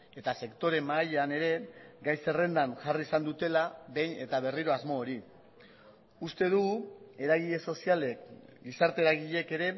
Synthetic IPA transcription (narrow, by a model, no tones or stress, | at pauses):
e̞t̪ase̞kt̪o̞ɾe̞maːʎeane̞ɾe̞ɡajse̞re̞nd̪anʝariːsand̪ut̪e̞laβe̞jne̞t̪aβ̞e̞riɾo̞azmo̞ːɾi | ust̪e̞ð̞uɣue̞ɾaɣ̞iʎe̞so̞siale̞kɡisaɾt̪e̞ɾaɣ̞iʎe̞ke̞ɾe̞